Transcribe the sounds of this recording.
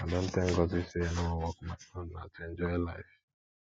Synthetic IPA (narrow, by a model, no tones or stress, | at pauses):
adan̩teŋ̩ɡɔzisienoowɔkʊmaɔnna̰t͡ʃend͡ʒɔlaɪf